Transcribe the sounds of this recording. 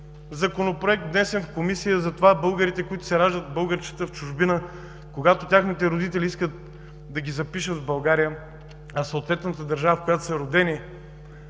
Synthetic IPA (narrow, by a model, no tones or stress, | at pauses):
zɐkonopɾoɛk̚t̪d̪nɛsɛnfkomisijəzɐt̪ovabɤlˠɡəɾit̪ɛkoit̪ʊ̥sɛɾaʒd̪əd̪bɤlˠɡəɾt͡ʃə̥t̪əft͡ʃʊʒbinə | koɡat̪ot̪ʲaxnit̪ɛɾod̪it̪ɛliiskət̪̚ | d̪ɐɡʲizɐpiʃət̪vbɐlˠɡaɾijə | ɐsɐot̪vɛt̪nət̪əd̪ɐɾʒavəfkojat̪o̥sɐɾod̪ɛni